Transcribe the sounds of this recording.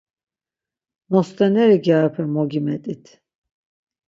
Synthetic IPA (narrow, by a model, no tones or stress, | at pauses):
nɔst̪ʼɛnɛɾiɡapʰɛmɔɡimɛt̪ʼit̪ʰ